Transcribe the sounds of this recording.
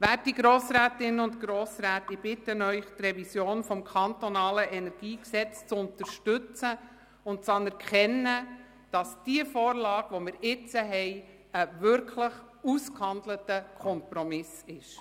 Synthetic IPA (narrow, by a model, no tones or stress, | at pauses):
ʋæːtiɡɾoːsɾæːtɪnʊntkɾoːsɾæːtɪb̥ɪtənœʏχtrɛvisjoːnfɔmkʰɑntɔnɑːləʔɛnɛɾɡ̥iːksɛt͡st͡sʊntəɾʃtʏt͡sə | ʊnt̚t͡sɑnɛɾkʰɛnːə | d̥ɑsd̥iəfoːɾlɑːɡʋomɪɾɪt͡səɦɛɪ | əʋʏɾkʰləχ | uskhɑndlətəkʰɔmpɾɔmɪsɪʃ